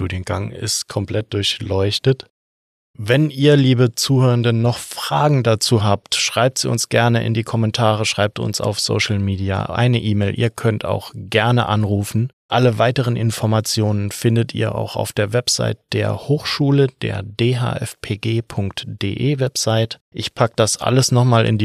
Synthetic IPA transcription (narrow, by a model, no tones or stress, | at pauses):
tuːdjənɡ̥aŋɪ̰stkʰɔmpl̥ɛt̚d̥ʊɐçlɔʏçtət | vɛnʔiːɐliːbət͡suːhøːʁəndənːɔχfʁ̥aːɡŋ̩dat͡suːɦaːptʃʁ̥aɪp̚tz̥iːʊ̰nsɡ̥ɛɐnəʔɪ̰ndiːkʰɔmɛntʰaːʁ̞əʃʁ̥aɪp̚tʊ̰nsa̰ʊfz̥o̰ːʃl̩miːdia̰ʔa̰ɪnəʔiːmeːlʔḭːɐkʰœntʰa̰ʊxɡ̥ɛɐnə̰ʔanʁuːfn̩ʔaləvaɪtəʁ̞ənʔɪ̰nfɔɐmat͡sjoːnənfɪndətʰḭːɐʔa̰ʊxa̰ʊfd̥eːɐvɛpz̥a̰ɪt̚d̥eːɐhoːxʃuːləd̥ḛːɐdeːɦa̰ːʔɛ̰fpʰeːɡeːpʰʊŋktd̥ḛːʔeːvɛpz̥aɪtʔɪçpʰakəd̥asʔa̰ləsnɔχmaːlʔɪ̰ndi